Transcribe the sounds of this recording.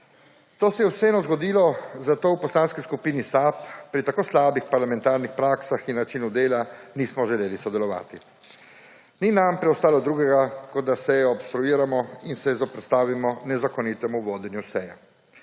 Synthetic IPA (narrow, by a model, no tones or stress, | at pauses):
t̪oːsɛjɛwsɛɛnɔzɡɔd̪iːlɔzat̪oːwpɔslaːnskiskupiːnisapːɾit̪akoːslaːbixpaɾlamɛ̃nt̪aːɾnixpɾaːksaxinːat͡ʃinud̪eːlaniːsmɔʒɛleːlisɔd̪ɛlɔʋa̰ːt̪i | ninampɾɛɔst̪aːlɔd̪ɾuːɡɛɡakɔd̪̚d̪asɛjɔɔpst̪ɾuiːɾamɔinsɛzɔpɾɛt̪st̪aːʋimɔnɛzakɔnit̪ɛmuʋoːd̪ɛnjusɛja